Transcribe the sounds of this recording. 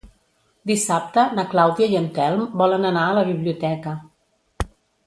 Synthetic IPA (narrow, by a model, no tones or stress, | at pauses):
d̪isap̚t̪ənəklawðiəjənt̪ɛlˠmbɔlənənaələβiβliut̪ɛkə